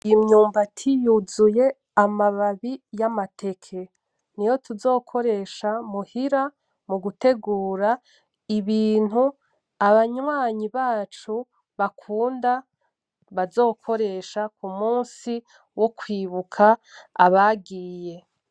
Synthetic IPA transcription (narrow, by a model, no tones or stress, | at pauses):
imɲuːmbatʰijuzuje̞ | amaβaβijamatʰe̞kʰe | nijo̞tuzo̞ːkʰo̞ɾe̞ːʃamuhiɾa | muɡute̞ɡuːɾa | iβiːn̥hu | aβaɲwaːɲiβaːt͡ʃu | βakʰuːnda | βazo̞ːkʰo̞ɾe̞ːʃakumuːnsi | wokwiːβukʰaːβaɡiːje̞